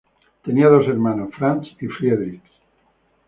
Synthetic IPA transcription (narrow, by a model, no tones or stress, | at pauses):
t̪e̞niaðoseɾmanosfɾansifɾieðɾik